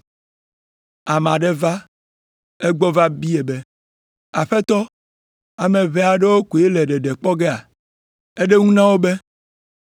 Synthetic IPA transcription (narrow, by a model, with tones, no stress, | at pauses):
a˨mã˨ɖe˦va˦ | ɛ˦ɡ͡bɔ˦va˦bi˦e˨be˦ | a˨ɸɛ˦t̪ɔ˦ | a˨mẽ˨βɛ˦a˨ɖɛ˦wo˦ku˨e˦lɛ˨ɖɛ˨ɖɛ˨k͡pɔ˦ɡe˦a˨ | e˦ɖe˦ŋũ˦nã˦wo˦be˦